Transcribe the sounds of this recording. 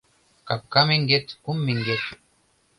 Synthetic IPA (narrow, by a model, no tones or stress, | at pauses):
kap̚kɑmeŋɡʲet̪kumːeŋɡet̪